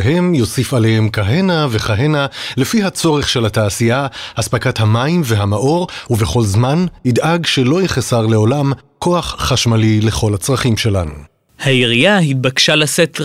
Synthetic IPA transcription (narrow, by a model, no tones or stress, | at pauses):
ɦemjo̞sifalehemkaɦe̞nave̞χaɦe̞nalefiɦat͡so̞ʁeχʃe̞lhataːsiahaspakathamaimve̞ɦamaʔo̞ʁuve̞χo̞lzmanid̪ʔaɡʃelo̞jeχesaʁle̞o̞lamko̞aχːaʃmalile̞χo̞lhat͡sʁaχimʃe̞lanu | haiʁijahit̪̚bakʃalaset̪